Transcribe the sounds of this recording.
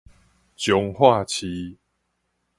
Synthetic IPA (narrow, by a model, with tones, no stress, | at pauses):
t͡ɕjɔ˨˧˦ŋhwa˥˧t͡ɕʰi˧